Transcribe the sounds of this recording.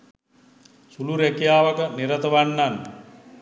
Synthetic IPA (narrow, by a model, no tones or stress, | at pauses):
suluɾækijaːʋəkəniɾət̪əʋanːan